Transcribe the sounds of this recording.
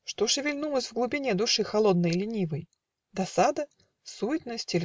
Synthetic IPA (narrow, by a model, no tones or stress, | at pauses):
ʂt̪oʂɨvʲɪlʲnulˠəsʲvɡlˠʊbʲɪnʲed̪ʊʂɨxɐlˠo̞d̪̚nəjlʲɪnʲivəj | d̪ɐsad̪ə | suɪt̪nəsʲtʲɪlʲ